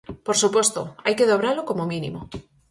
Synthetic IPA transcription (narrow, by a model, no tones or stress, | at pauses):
poɾsupwe̞st̪o̰ajkeðo̞β̞ɾaloko̞momĩnḭmo